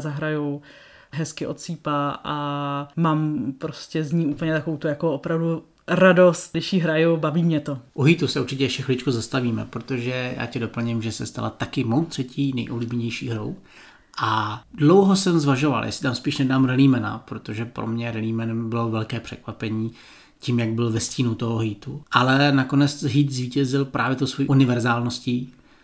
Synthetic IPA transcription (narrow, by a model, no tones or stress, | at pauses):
zaɦɾajuw | ɦɛskɪʔo̞t̪siːpaʔamaːmpɾoscɛzɲiːuːpl̩ɲɛt̪akoowt̪ujakoʔopɾavdu | ɾadost̪dɪʃjɪɦɾajubaviːmɲɛt̪oʔuɦit̪usɛuɾt͡ʃɪcɛʃɛxlɪt͡ʃkuzast̪aviːmɛ̰pɾot̪oʒɛja̰ːcɛdopl̩ɲɪmʒɛsɛst̪a̰lat̪akɪmowt̪r̥ɛciːnɛjʔobliːbɛɲɛjʃḭːɦɾo̰w | ʔadlowɦosɛmzvaʒova̰ljʔa̰sɪ̥t̪amspiːʃnɛdaːmɾɛliːmɛna̰pɾot̪oʒɛpɾo̰mɲɛɾɛliːmɛnɛmbɪlo̞vɛlkɛːpr̥ɛkvapɛɲiː | ciːmjaɡ̚bɪlvɛsciːnut̪oɦoɦiːt̪uʔalɛnakonɛt͡sɦiːt̪zviːcɛzɪlpɾʔaːvjɛt̪owsvojiʔunɪvɛɾzaːlnosciː